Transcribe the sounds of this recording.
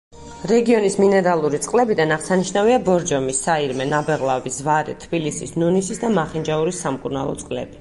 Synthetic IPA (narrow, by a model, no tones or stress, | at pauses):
ɾɛɡiɔnisminɛɾalˠuɾit̪sʼqʼlɛbid̪anaʁsaniʃnaviabɔɾd͡ʒɔmisːaiɾmɛnabɛʁlˠabisvaɾɛ̰t̪ʰbilisisnunisisd̪amaχind͡ʒauɾisːamkʼuɾna̰lˠɔ̰t̪sʼqʼlɛ̰b̥i